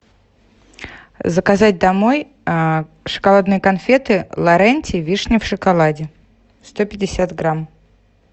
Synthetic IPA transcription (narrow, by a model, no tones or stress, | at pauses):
zəkazatʲd̪ɐmoj | ʂɨ̥kalˠad̪nɨjkɐnfʲet̪ɨlˠɐɾɛnʲtʲɪvʲiʂnʲɪfʂɨkalˠadʲɪ | st̪opʲɪdʲɪsʲat̪ɡɾam